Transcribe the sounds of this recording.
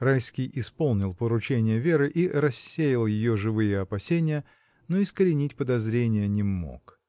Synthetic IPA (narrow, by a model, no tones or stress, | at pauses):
rajskʲɪjʔɪspo̞lˠnʲɪlˠpəɾʊt͡ɕenʲɪjəvʲeɾɨʔiɾɐsʲːejɪlˠjɪjo̞ʐɨvɨjəɐpɐsʲenʲɪjə | noɪskəɾʲɪnʲitʲpəd̪ɐzɾʲenʲɪjənʲɪmo̰k